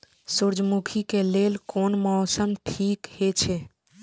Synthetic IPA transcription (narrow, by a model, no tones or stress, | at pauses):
suɾd͡ʒmukʰikelelkonmɔːsəmʈʰikhet͡ʃʰe